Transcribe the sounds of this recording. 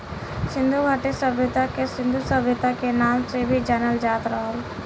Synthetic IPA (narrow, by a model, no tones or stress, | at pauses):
sɪ̃nd̪ʱubʱaʈesəbjʊt̪akesɪ̃nd̪ʱusəbjət̪akenaːmsebʱid͡ʒanəld͡ʒaːt̪ɾəɦəl